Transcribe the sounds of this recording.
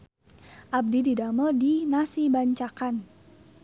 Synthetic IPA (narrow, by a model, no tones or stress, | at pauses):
ʔab̚dididaməldinasibaɲt͡ʃakan